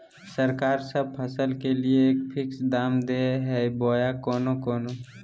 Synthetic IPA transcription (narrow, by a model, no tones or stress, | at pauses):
səɾkaːɾsəb̚pʰɐsəlkelieeːkpʰɪksd̪aːmd̪eɦɛboːjakɔːnokɔːno